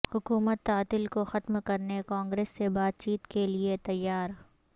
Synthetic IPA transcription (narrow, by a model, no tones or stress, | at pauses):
hʊkuːmət̪ːaːt̪ɪlkoxɐt̪mkɐɾnekãːŋɡɾeːsːebaːt̪̚t͡ʃiːt̪keliet̪ɐjːaːɾ